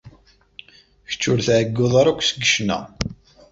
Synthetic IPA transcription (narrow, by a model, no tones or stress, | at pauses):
çə̥t͡ʃːʊɾθʕəɡːoðˤɑɾˤækʷːsəɡəʃnæ̰